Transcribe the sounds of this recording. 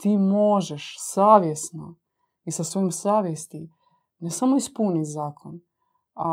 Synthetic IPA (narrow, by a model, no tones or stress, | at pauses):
t̪iːmo̞ʒɛʃsaːʋjesno | isasʋoimsaːʋjest̪i | nesamoispunizaːkʰon | a